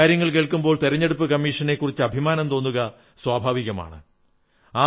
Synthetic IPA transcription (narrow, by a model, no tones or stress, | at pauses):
aːɾjɐŋːɐɭk̬e̞ːɭkːumboːɭt̪eɾɐɲːe̞ɽup̬ːɨkɐmːiːʂɐne̞kːurit͡ɕːɨɐbʱimaːnɐmt̪o̞ːnːuɣɐ | swaːbʱaːʋiɣɐma̰ːɳɨ̰ | aː